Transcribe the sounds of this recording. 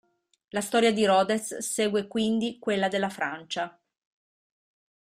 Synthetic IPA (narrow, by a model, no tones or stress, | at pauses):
last̪ɔːɾjad̪iɾɔːd̪esseːɡwekwind̪ikwelːad̪elːafɾant͡ʃa